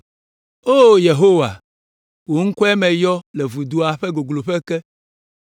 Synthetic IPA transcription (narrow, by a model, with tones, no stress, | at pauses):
o˦je˨ɦo˦wa˨ | wo˨ŋ̩˦kɔ˦ɛ˦mɛ̃˨jɔ˦lɛ˨vu˨d̪u˦a˨ɸɛ˦ɡo˨ɡlo˨ɸɛ˦kɛ˦